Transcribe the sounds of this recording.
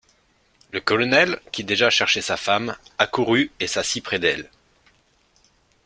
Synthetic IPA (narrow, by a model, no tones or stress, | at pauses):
ləkɔlɔnɛlkʲid̪eʒaʃɛʁʃesafamakuʁyesasipχɛd̪ɛl